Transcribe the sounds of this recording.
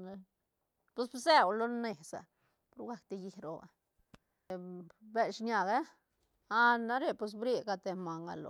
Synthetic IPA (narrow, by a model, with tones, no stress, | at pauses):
pe˦sbze˦wlo˦ne˨sa̰˨ | po˧ɾɡa˧k̚t̪i˧ji˧ɾo̰˧a̰˨ | be˧lʃɲa˧ɡa˦ | a˧na˦ɾe˦˧pwe˧s̬bɾi˧ɡa˧t̪e˧ma˨ŋɡa̰˧lo̰˧